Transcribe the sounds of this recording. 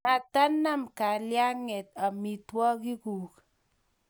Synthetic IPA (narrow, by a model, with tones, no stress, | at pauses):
ma˨ta˦na˦mka˨lja˦ŋɛ˨t̪̚a˨mi˨twɔ˦ki˦ku˨k